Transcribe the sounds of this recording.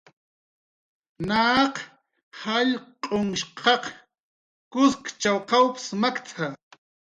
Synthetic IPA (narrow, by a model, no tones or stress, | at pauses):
naːq | haʎqʼoŋʃqʰɑq | kʊskt͡ʃawqɑwpɪ̥smakt͡sʰa